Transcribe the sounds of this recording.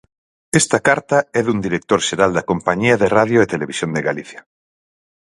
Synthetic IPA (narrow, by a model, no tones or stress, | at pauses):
est̪akaɾt̪aɛðund̪iɾek̚t̪oɾʃeɾald̪akompaɲiaðeraðjoet̪eleβisjond̪eɣaliθja